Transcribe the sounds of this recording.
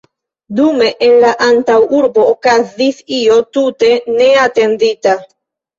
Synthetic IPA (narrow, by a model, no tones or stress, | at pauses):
dume̞ʔenlaʔantawuɾbo̞ːkazisio̞tute̞ne̞ate̞ndita